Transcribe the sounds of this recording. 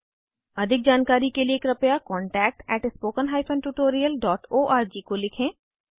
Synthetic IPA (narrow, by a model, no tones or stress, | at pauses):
əd̪ʱɪk̚d͡ʒaːnkaːɾikelieːkɾɐpjaːkɔːɳʈɛːk̚ʈɛːʈspoːkənɦaːipʰə̃nʈuːʈoːɾijəlɖɔːʈoːʔaːɾd͡ʒiːkolɪkʰẽː